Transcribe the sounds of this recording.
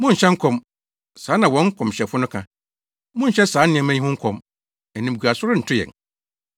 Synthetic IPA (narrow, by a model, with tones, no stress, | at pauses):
mʊ̃˦ɲ̩˨ɕɛ˦ŋ̩˦kʰɔ̃˨m | saː˨˦nã˨wɔ̃˦ŋ̩˦kʰɔ̃˨mɕɛ˨fʊ˦nʊ̃˦kʰã̰˨ | mʊ̃˦ɲ̩˨ɕɛ˦sãː˨˦nɪ̃˨ɛ̃˨mɛ̃˦ɲ˦hʊ̃˦ŋ̩˦kʰɔ̃˨m | ɛ˨nĩ˨m˨ɡu˨a˨sʊ˦ɾʊ˦n̩˨tʰʊ˦jɛ̰˨ŋ